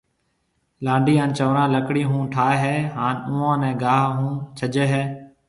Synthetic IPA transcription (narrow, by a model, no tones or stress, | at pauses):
lãːɳɖiːãːnt͡ʃəʋɾãːləkɽiːɦũːʈʰaːeɦɛːɦaːnʊ̃ːãːnɛ̃ːɡaːɦɦũːt͡ʃʰəd͡ʒeːɦɛː